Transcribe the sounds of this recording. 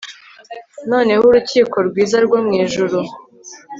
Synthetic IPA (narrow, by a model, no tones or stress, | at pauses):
no̞ːne̞huɾuciːkʰo̞ɾɡwiːzaɾɡwomŋiːʒuɾu